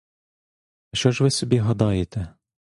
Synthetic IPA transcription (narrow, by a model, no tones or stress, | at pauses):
ɐʃt͡ʃɔʒʋɪsʲɔbʲiɦɐd̪ɑjet̪ɛ